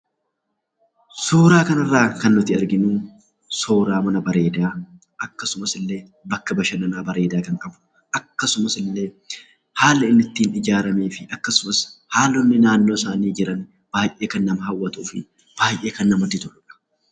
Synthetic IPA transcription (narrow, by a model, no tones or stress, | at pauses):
soːɾaːkɐnɐrːaːkɐnːʊt̪ɪɐɾɡɪnuː | soːɾaːmɐnɐbɐɾe̞ːd̪aː | ʔɐkːɐsʊmɐsɪlːe̞ː | bɐkːɐbɐʃɐnɐnaːbɐɾe̞ːd̪aːkɐŋkʼɐbʊ̥ | ʔɐkːɐsʊmɐsɪlːe̞ː | haːlɐɪnːɪt̪ːiːnɪd͡ʒaːɾɐmeːfɪɐkːɐsʊmɐshaːlɔnːɪnaːnːo̞ːsaːniːd͡ʒɪɾɐn | b̥aːjʔe̞ːkɐnːɐmɐhɐwːɐt̪uːfɪ | b̥aːjʔe̞ːkɐnːɐmɔt̪ːɪt̪ʊʔʊᶑɐ̥